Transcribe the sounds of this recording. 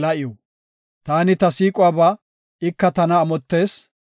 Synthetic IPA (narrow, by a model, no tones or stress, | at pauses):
lɐʔɪjɔ | t̪aːnɪt̪ɐsiːkʼʊwaːbaː | ɪkːɐt̪ɐnɐːmɔt̪ːe̞ːs